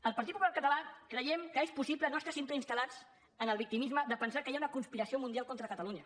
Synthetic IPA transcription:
əlˠpəɾt̪it̪pupulaɾkət̪əlakɾəjɛmkəespusiplənoəst̪asint̪uinst̪əlad͡z | ənəlˠβik̚t̪imizməðəpənsakəjaunəkunspiɾəsiomund̪ialˠkɔnt̪ɾəkət̪əluɲə

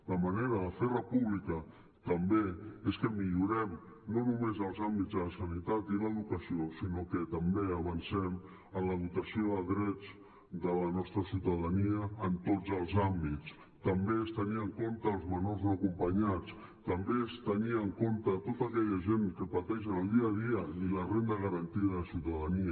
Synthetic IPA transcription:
ləməneɾəðəferəpuβlikə | t̪əmbeeskəmiʎuɾɛm | nonumezəlˠzambid͡zðələsənit̪at̪iləðukəsiosinokət̪əmbeəβənsɛm | ənləðut̪əsioðəlˠðɾɛd͡z | d̪ələnɔst̪ɾəsiuwt̪əðəniəːnt̪od͡zəlˠzambit͡s | t̪əmbeest̪əniəŋkont̪əːlˠzmənoɾzəkumpəɲat͡s | t̪əmbest̪əniəŋkont̪ət̪ot̪əkɛʎəʒenkəpət̪ɛʃ̬ənəlˠd̪iəðiəilərend̪əɣəɾənt̪iəðəəsiwt̪əðəniə

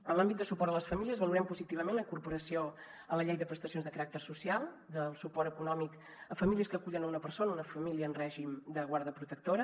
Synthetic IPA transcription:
ənlambit̪d̪əsupɔɾðələsfəmiliəzβəluɾɛmpuzit̪iβ̞əmẽnləiŋkuɾpuɾəsio | ələʎejðəpɾəst̪əsionzðəkəɾak̚t̪ərsusialˠ | d̪əlˠsupɔɾəkunɔmik | əfəmiliəskəːkuʎənəunəpəɾsonəunəfəmiliəːnrɛʒimd̪əɣwaɾðəpɾut̪ək̚t̪oɾə

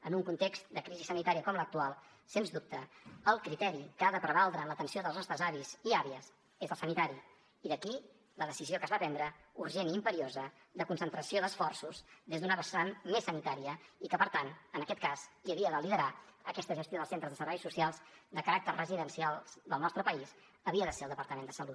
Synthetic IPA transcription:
ənuŋkunt̪ekst̪d̪əkɾizisənit̪aɾiəkɔmlək̚t̪ualˠ | senzðup̚t̪əːlˠkɾit̪ɛɾikəaðəpɾəβalˠd̪ɾəːnlət̪ənsioðəlˠznɔst̪ɾəzaβiziaβiəz | ezəlˠsənit̪aɾiː | ðəki | ləðəsiziokəzβap̪ɛnd̪ɾəuɾʒeniːmpəɾiozə | ðəkunsənt̪ɾəsioðəsfɔrsuzðezd̪unəβəsanmesənit̪aɾiəikəpəɾt̪anənəkɛt̪̚kazkiəβiəðəliðəɾaəkɛst̪əʒəst̪joðəlˠsent̪ɾəzðəsəɾβɛjsusialˠzd̪əkəɾak̚t̪ərrəziðənsialˠzd̪əlˠnɔst̪ɾəpəis | əβiəðəselˠd̪əpəɾt̪əmend̪əsəlut̪̚

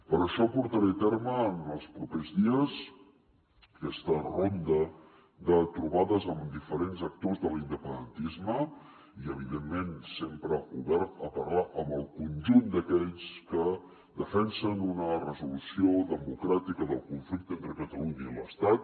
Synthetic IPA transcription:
pəɾəʃɔpuɾt̪əɾet̪eɾməːnəlˠspɾupezðiəs | əkɛst̪ərond̪ə | d̪ət̪ɾuβaðəzəmd̪ifəɾenzək̚t̪ozðəlind̪əpənd̪ənt̪izmə | iəβ̞iðemːensempɾəṵðɛɾəpərlaʔəmbəlˠkunʲʒund̪əkɛʎskə | d̪əfɛnsənunərəzulusioðəmukɾat̪ikəðəlˠkuɱflik̚t̪ent̪ɾəkət̪əluɲəiləst̪at̪̚

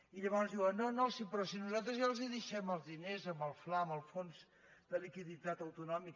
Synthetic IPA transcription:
iʎəβɔnzðiwənonosipɾɔsinuzalˠt̪ɾəzjalˠziðəʃɛməlˠzðinezəmbəlˠflaəmbəlˠfonz | d̪əlikiðit̪at̪əwt̪unɔmik

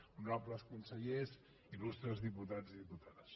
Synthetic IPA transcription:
nɔpləskunsəʎez | ilust̪ɾəzðiput̪ad͡ziðiput̪aðəs

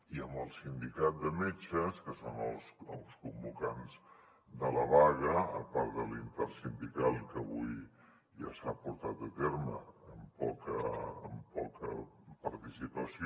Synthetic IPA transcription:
iəmbəlˠsind̪ikat̪̚d̪əmet͡ʃəskəsonəlˠsəlˠskumbukanz | d̪ələβaɣəə̰paɾd̪əlint̪ɛɾsind̪ikalˠikəβuj | ʒa̰sapuɾt̪at̪ət̪eɾmə̰ːmpɔ̰kəəmpɔkə̰ | pəɾt̪isipəsi

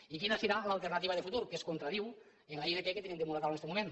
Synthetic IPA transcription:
ikinəsiɾalalˠt̪ernat̪iβaðefut̪uɾkeskont̪ɾaðiw | enlaiðekɛket̪enẽmnd̪emulakawnesemumẽn

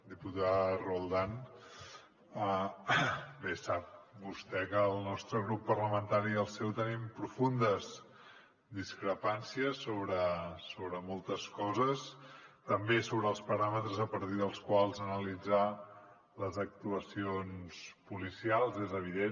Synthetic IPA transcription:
d̪iput̪arulˠd̪an | ə | besap̚bust̪ɛkəːlˠnɔst̪ɾəɣɾupːərləmənt̪aɾiəlˠsɛwt̪ənimpɾufund̪əz | d̪iskɾəpansiəsːoβɾəsoβɾəmɔlˠt̪əskɔzəst̪əmbesoβɾəːlˠspəɾamət̪ɾəzəpəɾt̪iðəlˠskwalˠzənəlid͡za | ləzək̚t̪uəsionspulisialˠzezəβ̞iðe

